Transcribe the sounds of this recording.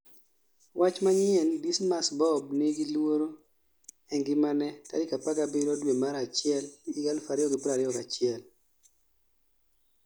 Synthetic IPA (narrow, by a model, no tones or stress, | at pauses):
wʔat͡ʃmaɲɪɛndismasbɔbnɪɡilwoɾo | ɛŋɡɪmanɛta̰dɪkapaɡabɪɾodwemaɾat͡ʃɪɛliɡalfaɾɪɔɡɪpɾaɾɪɔkat͡ʃɪɛl